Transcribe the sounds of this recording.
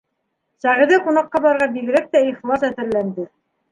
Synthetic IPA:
sæʁɘ̆ðɘqunɑqːɑbɑɾʁɑbiɡɘ̆ɾæk̚t̪æiχlˠɑsæθɘ̆ɾlænd̪ɘ

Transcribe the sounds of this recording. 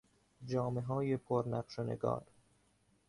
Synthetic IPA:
d͡ʒɒːmeɦɒːje̞pʰoɾnæqʃenḛɡɒ̰ːɾ

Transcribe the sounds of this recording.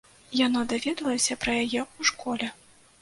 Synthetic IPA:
janad̪avʲɛd̪ɐlˠɐsʲɐpɾɐjajɛuʂkʰɔlʲɛ

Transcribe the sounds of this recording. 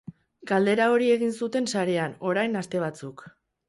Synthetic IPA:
ɡ̥ald̪e̞ɾao̞ɾie̞ɣ̞insut̪e̞nsaɾe̞ano̞ɾajnast̪e̞β̞at͡suk

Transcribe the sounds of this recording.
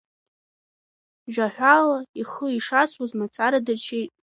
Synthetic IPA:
ʒᶣaħʷᶣalaiχəiʂasʼwazmat͡sʰaɾadat͡ʃʰejtʼ

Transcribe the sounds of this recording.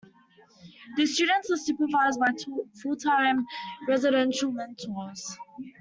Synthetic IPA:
dəstuɾə̃ntəssupəvaɪzbaɪfutʰãmɹɛzɪɾɛ̃nʃəlmɛ̃ntʰɔs

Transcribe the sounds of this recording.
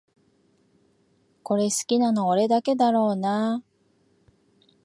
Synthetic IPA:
ko̞ɾe̞sɨ̥kʲinano̞ːɾe̞d̪ake̞d̪aɾo̞ːna

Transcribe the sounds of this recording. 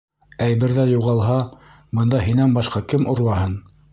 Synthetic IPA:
æjβɘ̆ɾðæjuʁɑlˠɦɑ | bɤ̆nd̪ɑɦinænbɑʃqɑkɘmʔŏɾwɑɦɤn

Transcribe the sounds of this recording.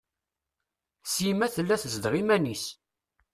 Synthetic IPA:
sjimæθəlːæθəzd̪ʁimænis

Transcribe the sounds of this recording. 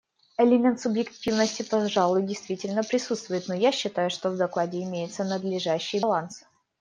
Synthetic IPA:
əlʲɪmʲe̞nt̪sʊbjɪktʲivnəsʲtʲɪpɐʐalˠʊjdʲɪjst̪vʲitʲɪlʲnəpɾʲɪsut̪st̪vʊjɪt̪nojaɕːɪt̪ajʊʂt̪ovd̪ɐklˠadʲɪɪmʲejɪt̪sənəd̪lʲɪʐaɕːɪjlˠans

